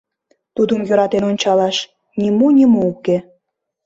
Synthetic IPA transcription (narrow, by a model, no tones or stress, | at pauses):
t̪ud̪əmjøɾɑt̪enonʲt͡ɕɑlɑʃ | nʲimonʲimouke